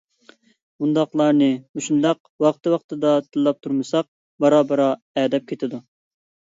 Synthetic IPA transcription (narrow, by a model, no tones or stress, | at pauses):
bund̪ɑqlˠɑɾnɨmuʃund̪ɑq | wɑqt̪ɨwɑqt̪ɨd̪ɑt̪ʰɨlˠːɑp̚t̪ʰuɾmɨsɑq̚ | bɑɾɑːbəɾɑ | ɛːd̪ɛp̚kʲʰet̪ʰɪd̪u